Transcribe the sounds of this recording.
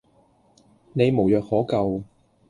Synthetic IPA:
ne˨˧jmo˨˩wjœː˨k̚hɔː˨˥kɐ˨w

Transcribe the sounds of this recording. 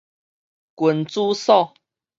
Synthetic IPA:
kwə˨˩nt͡su˦sɔ˥˨

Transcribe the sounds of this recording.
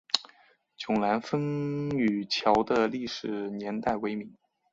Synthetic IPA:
t͡ɕjʊ˨˩ŋla˧˥nfə˥ŋy˨˩t͡ɕʰjɑ˧˥ʊd̪ə˧li˥˩ʂɻ̩˨˩njɛ˧˥nt̪a˥˩ɪwe˧˥ɪmi˧˥ŋ

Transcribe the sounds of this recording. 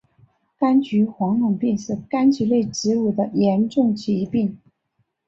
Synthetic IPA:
ka˥nt͡ɕy˧˥xwɑ˧˥ŋlʊ˨˩ŋpi˥˧ŋʂɻ̩˥˩ka˥nt͡ɕy˧˥le˥˩ɪʈ͡ʂɻ̩˧˥u˨˩d̪ə˦jɛ˧˥nʈ͡ʂʊ˥˩ŋt͡ɕʰi˧˥pi˥˩ŋ

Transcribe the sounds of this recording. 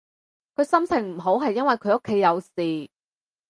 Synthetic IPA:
kʰɵ˨˧ɥsɐ˥mt͡sʰɪ˨˩ŋm̩˨˩ɦo˨˥wɦɐ˨jːɐ˥nwɐ˨˩jkʰɵ˨˧ɥo˥kʰːe˨˥jːɐ˨˧wsiː˨

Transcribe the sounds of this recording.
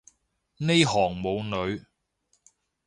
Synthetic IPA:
ne˥jɦɔː˨˩ŋmo˨˧wnɵ˨˧ɥ

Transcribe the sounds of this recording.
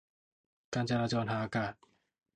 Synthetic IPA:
kaː˧nt͡ɕa˧ɾaː˧t͡ɕɔː˧nɦaː˨˩ʔaː˧kaː˨˩t̪̚

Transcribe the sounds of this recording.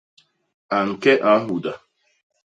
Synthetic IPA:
a˨ŋ̩˨kɛ˦ʔa˨˦ɦu˨da˨

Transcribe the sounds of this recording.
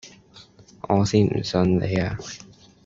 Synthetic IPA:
ʔɔː˨˧siː˥nm̩̰˨˩sɵ˧nle˨˧jaː˧

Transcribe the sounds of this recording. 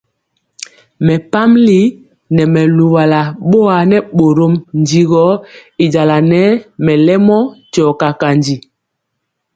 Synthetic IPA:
mɛ˨pa˦mli˨˦ | nɛ˨mɛ˨lu˨wa˨la˨ɓo˦a˨nɛ˦ɓo˨ɾo˦mnd͡ʒi˨ɣɔ˨˦i˨d͡ʒa˨la˨nɛ˦mɛ˨lɛ˦mɔ˦t͡ʃɔ˨ka˨ka˨nd͡ʒi˨

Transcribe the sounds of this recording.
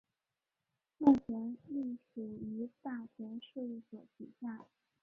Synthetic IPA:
mu˥˩t͡ɕʰjɛ˧˥nli˥˩ʂu˨˩y˧˥t̪a˥˩t͡ɕʰɥɛ˧˥nʂu˥˧i˥˩swɔ˨˩t̪ʰi˨˩ɕja˥˩

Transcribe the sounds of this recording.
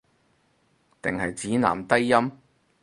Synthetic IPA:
t̪ɪ̰˨˩ŋhɐ˨jt͡siː˨˥na̰ː˨˩mt̪ɐ˥jːɐ˥m

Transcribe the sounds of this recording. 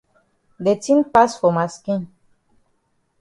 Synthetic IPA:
d̪e˨t͡sĩ˦npa˦sfo˨ma˨skĩ˦n

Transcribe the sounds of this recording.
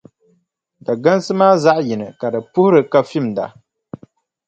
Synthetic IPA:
da˨ɡa˦n˦sɨ˦maː˦za˦ʔji˨nɨ˨ka˨dɨ˨pʊ˦hʊ˦ɾɨ˨ka˦fi˦˨mda̰˨

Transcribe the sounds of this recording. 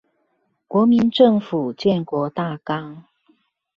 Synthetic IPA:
kwɔ˧˥mi˧˦nʈ͡ʂɤ˥˨ŋfu˨˩t͡ɕjɛ˥˨nkwɔ˧˥t̪a˥˨kɑ˥ŋ

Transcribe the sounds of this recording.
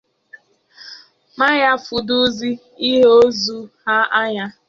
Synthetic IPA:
ma˦ɲa˦fu˨du˦zi˦ | i˦ɦe˦o˦zu˨ha˦ʔa˦ɲa˦

